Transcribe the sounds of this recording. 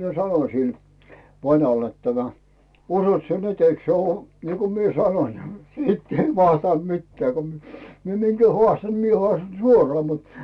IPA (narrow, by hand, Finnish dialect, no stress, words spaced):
mie sɑnoĭsil ʋɑnɑlː et tæmæ usot sie nyt eik se ŭoˑ niːko mie sɑnoĭn siːtː ei ʋɑstɑˑnt mitːĕæˑ ko mi mie minɡ̊æ hŏɑˑstɑn̞ ni mie hŏɑˑstɑn̞ suorɑː mut